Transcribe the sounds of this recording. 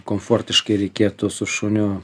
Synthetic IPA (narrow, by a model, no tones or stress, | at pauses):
koːmfoːrʲt̪ʲɪʃkɐɪɾʲɛɪkʲeːt̪ʊsʊʃonʲʊ